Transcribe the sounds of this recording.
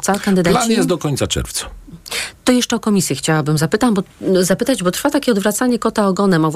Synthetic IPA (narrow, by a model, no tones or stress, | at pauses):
t̪sakand̪ɘd̪alajɛst̪d̪ɔkɔɲtsat͡ʂɛ̰ɾft̪sḁt̪ɔjɛʂt͡ʂɛɔkɔmʲisʲjɛxt͡ɕawabɘmzapɘt̪ambɔzapɘt̪ad͡ʑbɔt̪ɾfat̪akʲɛɔd̪vɾat̪s̪aɲɛkɔt̪aɔɡɔnɛmav